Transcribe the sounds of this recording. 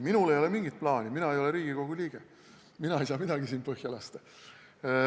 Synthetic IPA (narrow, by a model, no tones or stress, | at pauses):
minule̞jo̞lemiŋɡit̪̚plɑːnʲiminɑejo̞leɾiːɡ̥iko̞ɡ̥ulʲiːɡ̥e | minɑe̞js̬ɑːmid̪̥ɑɡisiːnpɤhjɑlɑst̪e